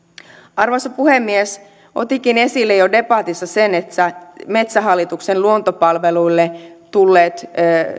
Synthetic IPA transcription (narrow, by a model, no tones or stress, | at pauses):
ɑrʋɑsɑpuhemːies | ʔo̞̰t̪ik̟ine̞silːejode̞pɑt̪isːɑsenet̪ːæme̞t̪sæɦɑlːit̪uksenluont̪opɑlʋeluilːet̪ulːeːt̪ː